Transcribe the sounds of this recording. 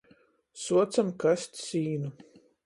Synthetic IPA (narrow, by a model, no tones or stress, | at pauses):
suɔt̪samkast̪ʲsiːnu